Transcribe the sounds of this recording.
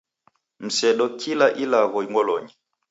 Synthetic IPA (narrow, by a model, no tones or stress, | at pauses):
m̩sɛɗɔkʰilaʔilaɣɔiŋwɔlɔɲi